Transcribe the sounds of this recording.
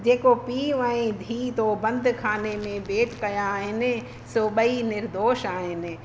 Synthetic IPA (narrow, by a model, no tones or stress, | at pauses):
d͡ʑeːkopiːʋãẽd̪ʱiːt̪obɐ̃nd̪ʱkʰaːnemẽbeːʈkɐjaːɦɪnɪ | soɓəinɪɾd̪oːʃaːɦɪnɪ̆